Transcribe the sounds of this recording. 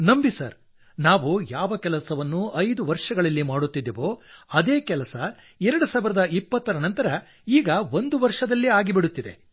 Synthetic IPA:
nɐmbisɐ̰ɾ | naːʋujaːʋɐkɛlɐsɐʋɐnːuɐjd̪uʋɐɾʂɐɡɐɭɐlːimaːɽut̪ːid̪ːɛʋo̞ːɐd̪eːkɛlɐsɐ | ɛɾɐɽusaːʋiɾɐd̪ɐipːɐt̪ːɐɾɐnɐnt̪ɐɾɐ | iːɡɐʋo̞nd̪uʋɐɾʂɐd̪ɐlːiaːɡibiɽut̪ːid̪e̞̰

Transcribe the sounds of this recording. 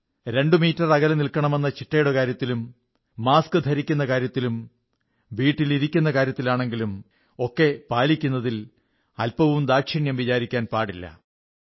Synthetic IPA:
ɾe̞ɳɖɨmiːtːɐrɐɣɐlnilkːɐɳɐme̞nːɐt͡ɕiʈːɐjuɽɐkaːɾjɐt̪ːilumː | aːskɨd̪ʱɐɾikʲːunːɐkaːɾjɐt̪ːilum | biːʈːiliɾikʲːunːɐkaːɾjɐt̪ːilaːɳe̞ŋɡilum | o̞kːe̞paːlikʲːunːɐðil | ɐlpɐʋumd̪aːkʂiɳjɐmʋit͡ɕaːɾikʲːaːnpaːɽilːɐ̰

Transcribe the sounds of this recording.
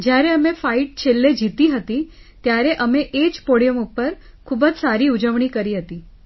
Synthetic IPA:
d͡ʑjaɾeəmefaiʈ̚t͡ɕʰelːed͡ʑit̪iːɦət̪iː | t̪jaɾeʔəmeʔet͡ɕpoɽijəmupːəɾ | kʰuːbət͡ssaɾiːud͡ʑəʋɳ̃iːkəɾiːɦət̪iː

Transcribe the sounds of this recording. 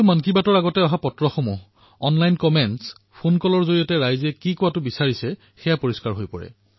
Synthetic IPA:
umankibatɔɹaɡɔtɛɔɦapɔtɹɔxomuɦ | ɔnlajnkɔmɛns | pʰonkɔlɔɹzoɹijɔtɛɹajzɛkikɔwatʊbisaɹisɛ | xɛjapoɹiskaɹɦojpɔ̰ɹɛ̰

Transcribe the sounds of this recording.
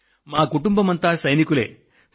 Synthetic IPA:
maːkuʈumbɐmɐnt̪aːsɐjnikule̞̰ː

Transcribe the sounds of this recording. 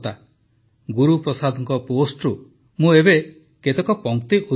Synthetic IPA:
t̪a | ɡuɾupɾɔsad̪ʱɔŋkɔposʈɾu | mũebe | ket̪ɔkɔpɔŋkt̪iʔu

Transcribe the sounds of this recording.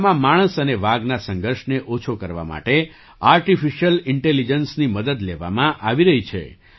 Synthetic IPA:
mãmaɽ̃əsəneʋaɡnasə̃ŋɡəɾʃneʔot͡ʃʰokəɾʋa̰ma̰ʈe | aɾʈifiʃjəlɪɳʈelid͡ʒənsniməd̪əd̪leʋa̰mãʔaʋiɾəɦit͡ʃʰḛ

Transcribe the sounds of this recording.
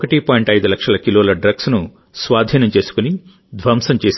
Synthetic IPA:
kɐʈipaːiɳʈɐjd̪ulɐkʂɐlɐkiloːlɐɖɾɐɡsnu | sʋaːd̪ʱiːnɐmt͡ʃe̞ːsu̥kuni | d̪ʋɐmsɐmt͡ʃeːs

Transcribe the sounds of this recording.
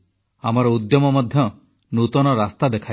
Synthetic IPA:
amɔɾɔud̪jɔmɔmɔd̪ʱjɔ | nut̪ɔnɔɾast̪ad̪ekʰaj

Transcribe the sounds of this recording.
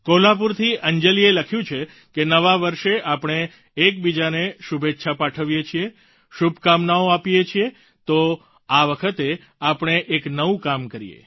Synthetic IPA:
kolap̬uɾt̪ʰiʔəɲd͡ʒəlieləkʰjũt͡ʃʰe | kenəʋaʋəɾʃeʔapɽ̃eː | k̚bid͡ʒaneʃubʱet̪ːʃʰapaʈʰəʋijet͡ʃʰie | ʃubʱkamnaoapijet͡ʃʰie | t̪o | aʋəkʰət̪e | apɳ̃eʔeknəʋũkamkəɾḭjḛ

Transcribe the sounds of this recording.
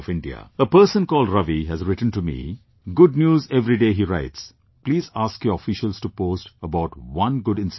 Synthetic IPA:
fɪ̃ɳɖia̰əpəɾsə̃nkɔːlɖɾʌʋiɦæzɾɪʈə̃n̩ʈumḭ | ɡʊɖ̚njuːzɛʋɾiɖeːɦiːɾaɪʈs | pliːzaːskjɔːɾəfɪʃəlz̥ʈupoːsʈəbaʊʈwʌ̃nɡʊɖɪ̃ns

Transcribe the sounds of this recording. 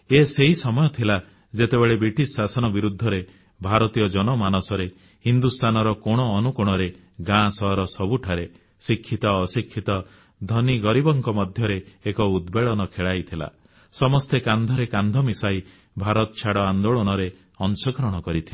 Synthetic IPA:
eseɦisɔmɔjɔt̪ʰila | d͡ʒet̪ebeɭebɾiʈisːasɔnɔbiɾud̪ʱːɔɾe | bʱaɾɔt̪ijɔd͡ʒɔnɔmanɔsɔɾe | hind̪ust̪ʰanɔɾɔkɔɽ̃ɔːnukuɽ̃ɔɾe | ɡãsɔɦɔɾɔsɔbuʈʰaɾe | sikʰːit̪ɔːsikʰːit̪ɔ | d̪ʱɔniɡɔɾibɔŋkɔmɔd̪ʱjɔɾeːkɔud̪beɭɔnɔkʰeɭajt̪ʰila̰ | sɔmɔst̪ekand̪ʱɔɾekand̪ʱɔmisaj | bʱaɾɔt̪ɔt͡ʃʰaɽɔand̪oɭɔñɔɾe | ɔnsɔɡɾɔɽ̃ɔkɔɾit̪ʰila

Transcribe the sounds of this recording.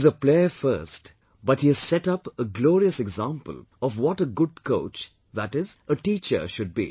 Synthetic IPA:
zəpleəfə̰ɾst | bʌʈ̚hiɨz̥sɛʈʌpəɡlɔːɾiəsɛɡzãmpə̰l | ɔvwɔʈəɡʊd̚koʊt͡ʃ | ðæʈɪzəʈiːt͡ʃə̰ʃʊd̚bḭː

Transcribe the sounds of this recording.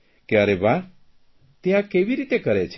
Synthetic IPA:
kjaɾebaɾ | t̪jãkeʋiɾit̪ekəɾet͡ʃʰ

